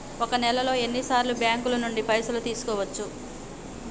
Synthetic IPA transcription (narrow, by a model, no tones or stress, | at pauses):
okɐnɛlɐlo̞ːe̞nːisaːɾlubjaːŋkulɐnuɳɖipɐjsulut̪iːsu̥kɔːʋɐt͡ʃːu